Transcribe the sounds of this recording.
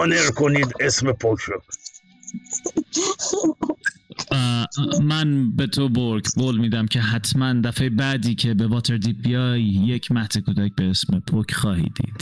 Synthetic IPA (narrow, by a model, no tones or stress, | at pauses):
neɾkʰoniːd̪esmepʰokʰɾo | mænbe̞d̪oboɾɡboːlmiːd̪æmcʰe̞ɦæt̪ʰmænd̪æfejebæd̪iːcʰe̞bevɒːt̪ʰe̞ɾd̪iːbijɑːjːe̞cʰmæht̪ʰekud̪æc̚be̞esme̞pʰocʰχɒːhḭd̪ḭːd̪̥